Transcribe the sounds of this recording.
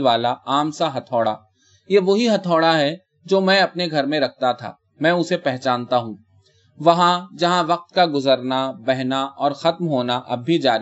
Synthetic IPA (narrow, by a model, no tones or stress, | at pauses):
ʋaːlaaːmsaɦɐt̪ʰɔːɽa̰ː | jeːʋoɦiɦɐt̪ʰɔːɽaɦɛ | d͡ʒoːmɛ̃ɐpneɡʱɐɾmẽɾɐk̚ʰt̪at̪ʰa̰ː | mɛ̃ːʊsepɛɦt͡ʃaːnt̪aɦũ | ʋɐɦãd͡ʒɐɦãʋɐq̚t̪kaɡʊzəɾnabɛɦnaʔɔːɾxɐt̪mɦoːnaʔɐ̰bːʱid͡ʒaːɾ